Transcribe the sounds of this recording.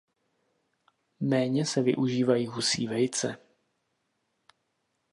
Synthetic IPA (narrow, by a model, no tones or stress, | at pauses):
mɛːɲɛsɛvɪ̰ʔuʒiːvajiːɦusḭːvɛjt͡sɛ̰